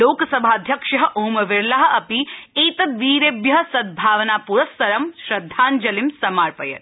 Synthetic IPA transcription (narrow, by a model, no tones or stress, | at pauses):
loːkɐsɐbʱaːd̪ʱjɐkʃɐɦɐ̆ʔoːmɐʋɪɾlaɦɐ̆ɐpieːt̪ɐt̪ʋiːɾeːbjɐɦɐsɐd̪̚bʱaːʋɐnaːpuɾɐsɐɾɐmʃɾɐd̪ʱːaːnd͡ʒɐlimsɐmaːɾpɐjɐ̰t̪